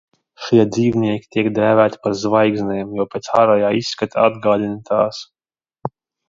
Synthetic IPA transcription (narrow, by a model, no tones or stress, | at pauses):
ʃiɛd̪zʲiːvnʲiɛkʲi̥t̪ʲiɛkd̪æːvæːt̪ʲi̥paɾzvajɡzʲnʲɛːmjɔwpʲɛt̪saɾajaːisːkat̪ʰaad̪ɡaːd̪ʲinat̪aːs